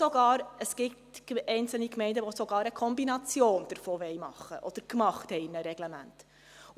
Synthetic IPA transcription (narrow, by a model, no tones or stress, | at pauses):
ɔɡɑːɾəsɡ̥ɪtɛɪnt͡sl̩nikmɛɪndəʋosoɡɑːɾəkʰɔmbinɑt͡sjoːnd̥əɾfoːʋɛɪmɑ̰χːəʔɔd̥əɾkmɑχthɛɪɪnəɾɛɡ̥lɛmæ̰nt